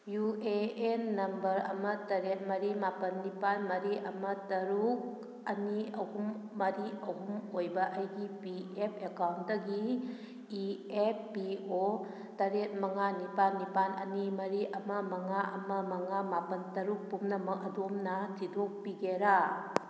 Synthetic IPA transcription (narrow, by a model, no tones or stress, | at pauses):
jueenːɐmbɐɾɐ̰mɐtɐɾet̚mɐɾimapɐnːipanmɐɾiʔɐmɐtɐɾuk̚ | ɐniɐhumː | ɐɾiɐɦumojbɐʔɐjɡipiepʰekawnt̚dɐɡi | iep̚ʰpio | tɐɾet̚mɐŋanipanːipanɐ̰nimɐɾiʔɐmɐmɐŋaʔɐmɐmɐŋamapɐntɐɾuk̚pumnɐmɐkɐdomnɐtʰidok̚piɡeɾa